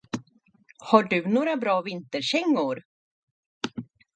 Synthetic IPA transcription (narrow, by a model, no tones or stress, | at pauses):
haɖɵnoːɾabɾɑːvɪnt̪əɾɕɛŋːʊɾ